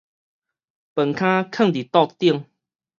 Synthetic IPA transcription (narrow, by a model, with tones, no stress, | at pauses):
pə˨˩ŋkʰã˦kʰə˥˨ŋt̪i˨˩t̪ɔ˥˧t̪i˥˨əŋ